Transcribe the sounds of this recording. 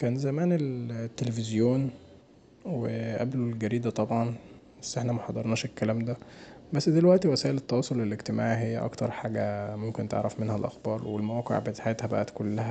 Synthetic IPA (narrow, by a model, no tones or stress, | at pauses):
kæːnzæmæːnelt̪ːelefezjoːn | weʔæ̰blolɡæɾiːd̪æt̪ˤɑbʕɑnbæsːʔeħnæmæħɑd̪ˤɑɾˤnɑːʃekːælæːmd̪æbæsːd̪elwæʔt̪iwæsæːʔelet̪ːɑwɑːsˤolːeleɡt̪emaːʕɦejːæʔɑ̰kt̪ɑ̰ɾˤħaːɡæmomkent̪ḛʕɾˤæfmenhælʔɑ̰xbɑːɾˤwelmæwæːqḛʕbet̪aħjeːt̪hæbæ̰ʔæt̪kolːæhæ